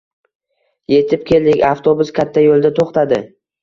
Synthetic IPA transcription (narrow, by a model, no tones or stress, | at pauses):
je̞t̪ʰɪp̚kʲʰe̞ld̪ɪkʲaft̪ʰobʊskʲʰat̪ʰːajolˠd̪at̪ʰoχt̪ad̪ɪ